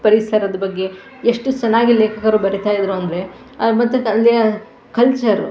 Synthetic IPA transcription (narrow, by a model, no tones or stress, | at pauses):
pɐɾisɐɾɐd̪ɐbɐɡːe̞ | eʂʈut͡ʃɐnaːɡileːkʰɐkɐɾubɐɾit̪aːjid̪ɾuɐnd̪ɐɾe̞ | ɐmɐt̪ːuɐlːijɐ | kɐlt͡ʃɐɾ